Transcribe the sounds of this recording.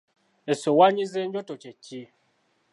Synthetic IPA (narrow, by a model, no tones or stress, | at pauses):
esowaɲizeɲɟotocecːi